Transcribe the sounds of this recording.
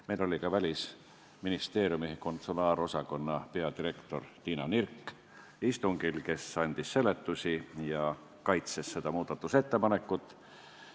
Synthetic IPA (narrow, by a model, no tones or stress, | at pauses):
me̞jlo̞lʲikɑvælʲis | minist̪e̞ːɾʲjumiko̞nt̪sulɑːɾo̞sɑko̞nːɑpe̞ɑd̪iɾe̞kt̪o̞̰rt̪iːnɑnirkːˑ | ist̪uŋɡ̥ilke̞sɑnʲd̪̥isːe̞let̪ːusʲijɑ | kɑjt̪se̞sːe̞d̪̥ɑmuːd̪̥ɑt̪ːˑuse̞t̪ːe̞pɑne̞kːˑut̪ːˑ